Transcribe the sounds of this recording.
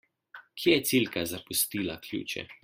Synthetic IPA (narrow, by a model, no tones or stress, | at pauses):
kʰjɛjɛt̪silkazapust̪iːlakʰlʲṵːt͡ʃɛ̰